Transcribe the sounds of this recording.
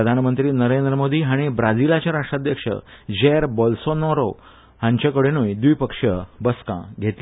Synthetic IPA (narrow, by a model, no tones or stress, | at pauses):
əd̪ʱanmənt̪ɾiːnəɾend̪ɾəmod̪iːɦaɽ̃ibɾad͡zilat͡ɕjaɾaʂʈɾad̪ʱjəkʂə̰d͡ʑeɾbɔlsonɔɾo | hãɲt͡ɕakəɽenujd̪ujpəkʂəbəskã̰ɡʱet̪l